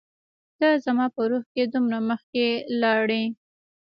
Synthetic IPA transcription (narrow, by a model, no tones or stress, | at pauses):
d̪̥azamɑpəɾuxked̪umɾaməxkelɑɽe